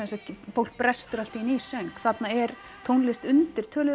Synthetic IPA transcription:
ɛnsɛfowl̥k̚pɾɛst̪ʏɾalt̪iinisœɥŋkθat̪naɛɾ̥ | t̪ʰoːwnlɛst̪ʏnt̪ɪɾ̥t̪ʰœːlʏ

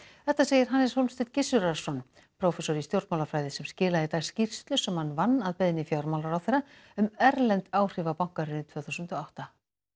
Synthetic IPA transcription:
θɛht̪aseːjɪɾɦanːɛshowlmst̪ɪt̪cɪsʏɾḁsɔn | pʰɾowfɛsɔɾist̪jowɾt̪mawlafɾaːjðɪsɛmscɪːlaðɪt̪ḁscir̥st̪lʏsɛmhanːvanːaðpejðɪnːɪfjaɾmawlaɾawθejɾːa | ʏmɛɾlɛnt̪aːwr̥ɪvapawŋ̥kaɾɪnɪt̪v̥œːθusʏnt̪ɔawht̪a

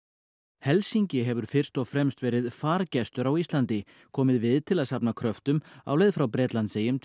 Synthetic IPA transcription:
hɛlsiɲcɪɦɛvʏɾ̥fɪr̥st̪ɔɣfɾɛmst̪vɛːɾɪðfaːɾcɛst̪ʏɾawist̪lant̪ɪ | kʰɔːmɪðvɪðt̪ʰɪlaðsapnakʰɾœft̪ʏma̰ːwlɛjðfɾawpɾɛːt̪lant̪sejʏm

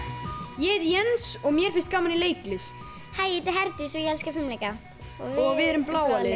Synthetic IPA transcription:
jɛðjɛnsɔɣmjɛɾ̥fɪnst̪kawmanɪleːjklɪst̪ | hajɪt̪ɪɦɛɾt̪ʏsɔjɛlskafɪmlɛjka | ɔɔɣvɪðɛɾʏmplaːwaɪ

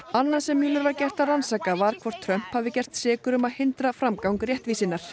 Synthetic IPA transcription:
anːansɛmːjuːlʏɾvaɾcɛr̥t̪aransaːkavaɾ̥kʰvɔr̥t̪ʰɾœm̥phavɪcɛr̥t̪sɛːkʏɾʏmaðhɪnt̪ɾafɾamkawŋkrjɛht̪viːsɪnːaɾ̥

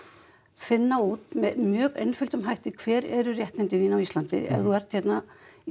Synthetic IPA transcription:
fɪnːauːt̪mɛðmjœːɣḛjnfʏlt̪ʏmɦajht̪ɪkʰv̥ɛːɾɛɾʏrjɛht̪nɪnt̪ɪðiːnawist̪lant̪ɪ̰ɛ̰vθuvɛr̥t̪çɛt̪na

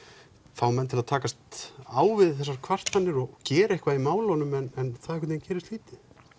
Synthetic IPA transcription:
fawmɛnt̪ʰɪlaðt̪ʰaːkast̪aːwvɪðθɛsaɾkʰvar̥t̪θanːɪɾɔɣcɛːɾaehkvaimaːwlanʏmɛnɛnθaðɛkvɪt̪ɪncɛːɾɪst̪liːt̪ɪ

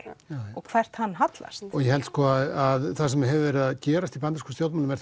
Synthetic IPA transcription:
ɔɣkʰvɛr̥t̪hanːɦat̪la̰st̪ɔɣjɛhɛlt̪skʰɔːaðaðθas̬ɛmɛɦɛvɪvɛɾɪaðcɛːɾast̪ipant̪askɔ̥st̪jowt̪maːlʏmɛɾ

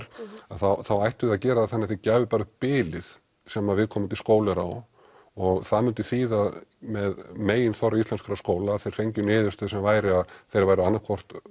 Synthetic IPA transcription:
aθawθawajht̪ʏaðcɛːɾaðθɛnːɪɛθɪcaːvʏpaɾʏhpɪːlɪð̥ | sɛmaðvɪðkʰɔːmʏmt̪ʰlskoːwlɪɾa̰w | ɔɣθamʏnt̪ʏθiːðamɛðmeːjɪnθɔɾaist̪lɛnskaɾaskoːwlaθejɾ̥fejɲcʏnɪːðʏst̪œːðʏsɛmvaːjɾɪaðθejɾvaːjɾʏanːakʰvɔr̥t̪

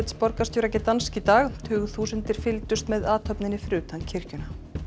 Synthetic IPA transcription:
t̪spɔɾkast̪joːɾɛjcːɪt̪anscit̪aːɣt̪ʰʏːɣʏθuːsənt̪ɪɾ̥fɪlt̪ʏst̪mɛðaːt̪ʰœpnɪnɪfɾʏːt̪ʰancʰɪr̥cʏna

